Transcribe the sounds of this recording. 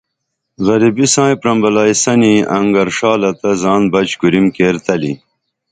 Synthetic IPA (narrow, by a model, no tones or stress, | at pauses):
ɣɐɾibisãːjpɾɐmbɐlaːjsɐniɐŋɡɐɾʂaːlɐt̪ɐzɑːnbɐt͡ɕɡuɾimkeːɾt̪ɐlḭ